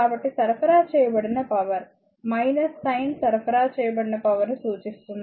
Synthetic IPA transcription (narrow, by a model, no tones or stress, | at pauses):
kaːbɐʈːisɐɾpɐɾaːt͡ʃɛːjɐbɐɽinɐpɐʋɐɾ | mɐjnɐsːɐjɳɖsɐɾpʰɐɾaːt͡ʃɛːjɐbɐɽinɐpɐʋɐɾnusuːt͡ʃist̪und̪i